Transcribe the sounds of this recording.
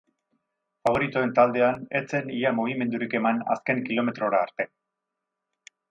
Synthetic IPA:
faβ̞o̞ɾit̪oe̞nt̪ald̪e̞ane̞t͡se̞niamoɣ̞ime̞nd̪uɾike̞mana̰ske̞ŋkilo̞me̞t̪ɾo̞ɾaːɾt̪e̞

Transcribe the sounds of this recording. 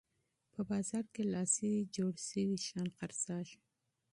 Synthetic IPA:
pəbɑzɑɾkelɑsiwid͡ʒoɽʃəwiʃɑnqaɾsɑʒ

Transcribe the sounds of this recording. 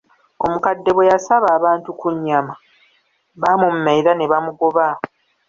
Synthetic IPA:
omukadːe̞βwe̞jasaβaːβaːntukuɲːama | βamummaiɾane̞βamuɡoβa

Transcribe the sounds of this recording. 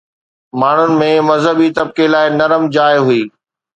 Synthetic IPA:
maːɳ̤ʊnɪ̆mẽmɐzɦəbit̪ɐb̚kelaːɪnɐɾəmd͡ʑaːɪɦʊiː

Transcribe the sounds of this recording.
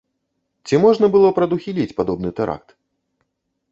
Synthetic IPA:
t͡sʲimɔʐnɐbɨlˠɔpɾɐd̪uxʲilʲit͡sʲpad̪ɔbnɨt̪ɛɾʔa̰k̚t̪

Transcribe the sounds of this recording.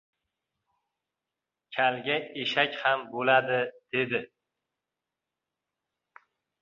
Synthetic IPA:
kʲʰalɡʲaeʃakʲhambolad̪ɪd̪̥e̞d̪ɪ

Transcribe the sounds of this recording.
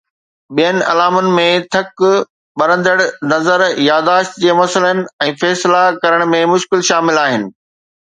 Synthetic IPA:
ɓijənɪ̆ɐ̰laːmʊnɪ̆mẽt̪ʰɐk | ɓɐɾə̃nd̪əɽnɐzəɾjaːd̪aːʃt̪d͡ʑeːmɐsələnɪ̆ɛ̃ːfɛːslakɐɾəɽ̃mẽmʊʃkɪlʃaːmɪlaːɦɪnɪ̆

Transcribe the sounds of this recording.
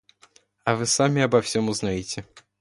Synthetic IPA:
ɐvɨsamʲɪɐbɐfsʲomʊznajɪtʲɪ

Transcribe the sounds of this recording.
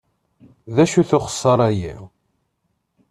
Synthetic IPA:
ðæʃuθʊχə̥sˤːəɾˤæjḭw

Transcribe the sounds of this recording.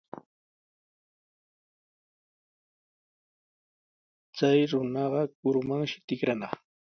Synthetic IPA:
t͡sajɾʊnɑɢɑkʊɾʊmaŋʃɪ̥t̪ɪkɾanɑχ

